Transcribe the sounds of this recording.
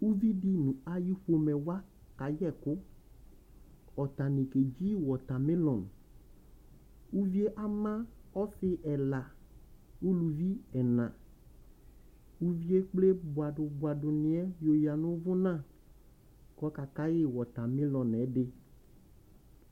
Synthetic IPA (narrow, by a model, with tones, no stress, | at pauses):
u˦vi˦di˦nũ˨a˨ji˦ɸo˦mɛ˨wa˦ | ka˨jɛ˦˨kʊ˦ | ɔ˨t̪a˨nĩ˨ke˨d͡ʒi˦wɔ˨t̪a˨mɪ̃˦lɔ̃˨n | u˦vi˦e˦ʔa˦mã˦ɔ˦sɪ˦ʔɛ˨la˨ | u˦lu˨vi˦ɛ˨nã˨ | u˦vi˦e˦k͡ple˦bʊ˨a˨dʊ˨bʊ˨a˨dʊ˨nɪ̃˨˦ɛ˦jo˨ja˨nʊ̃˦vʊ˦nã˦˨ | kɔ˨˦ka˨ka˦jɪ˦wɔ˨t̪a˨mɪ̃˦lɔ̃˨nɛ˨˦dɪ˦